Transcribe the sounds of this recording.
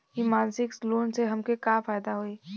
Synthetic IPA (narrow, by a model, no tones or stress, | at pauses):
kimaːlsɪksloːnseɦɐmkekaːfaːjd̪aɦoːiː